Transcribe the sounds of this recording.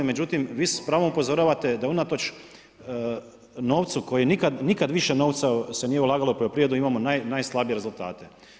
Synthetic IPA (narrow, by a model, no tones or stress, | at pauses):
ime̞d͡ʑut̪imʋiːspɾaːʋo̞mupo̞zo̞ɾaːʋat̪e̞d̪aunat̪o̞t͡ʃ | no̞ːʋt̪sukojienikad̪nikad̪ʋiʃeno̞ːʋt̪sase̞niːjeulˠaːɡalopojopɾijed̪uimamonajnajslˠabijeɾe̞zulˠt̪a̰ːt̪e̞